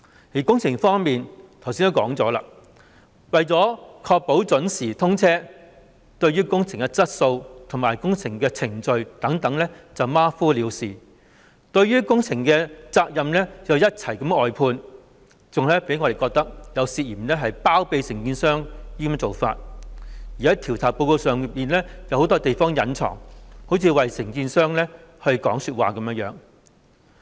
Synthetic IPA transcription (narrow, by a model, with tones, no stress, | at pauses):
jiː˨˩kʊ˥ŋt͡sʰɪ˨˩ŋfɔː˥ŋmiː˨nt̪ʰɐ˨˩wsiː˥nt̪o˥kɔ̰ː˨˥ŋt͡sɔ̰ː˨˥la̰ː˧ | wɐ˨jt͡sɔː˨˥kʰɔː˧k̚po˨˥wt͡sɵ˨˥nsiː˨˩t̪ʰʊ˥ŋt͡sʰɛː˥ | t̪ɵ˧ɥyː˥kʊ˥ŋt͡sʰɪ˨˩ŋɛ˧t͡sɐ˥t̚so˧wt̪ʰʊ˨˩maː˨˩jkʊ˥ŋt͡sʰɪ˨˩ŋkɛː˧t͡sʰɪ˨˩ŋt͡sɵ˨˧ɥt̪ɐ˨˥ŋt̪ɐ˨˥ŋlɛ˥t͡sɐ˨wmaː˥fuː˥liː˨˧wsiː˨ | t̪ɵ˧ɥyː˥kʊ˥ŋt͡sʰɪ˨˩ŋkɛː˧t͡saː˧k̚jɐ˨mlɛː˥t͡sɐ˨wjɐ˥t̚t͡sʰɐ˨˩jkɐ˨˥mɔː˨jpʰuː˧n | t͡sʊ˨ŋlɛː˥pe˨˥jŋɔː˧e˨jkɔː˧k̚t̪ɐ˥k̚jɐ˨˧wsiː˧t̚jiː˨˩mlɛː˥ɦɐ˨jpaː˥wpe˧jsɪ˨˩ŋkiː˧nsœː˥ŋjiː˥kɐ˧m˥t͡so˨wfa̰ː˧t̚jiː˨˩hɐ˨˥jt̪ʰiː˨˩wt͡sʰaː˨˩p̚po˧wko˧wsœː˨ŋ˨piː˨nlɛː˥jɐ˨˧who˨˥wt̪ɔː˥t̪e˨jfɔː˥ŋjɐ˨˥nt͡sʰɔ̰ː˨˩ŋho˨˥wt͡sʰiː˨˧wɐ˨jsɪ˨˩ŋkiː˧nsœː˥ŋlɛː˥hɵ˧ɥkɔː˨˥ŋsyː˧t̚waː˨˩kɐ˨˥mjə˧˥jœ̰ː˨˥ŋ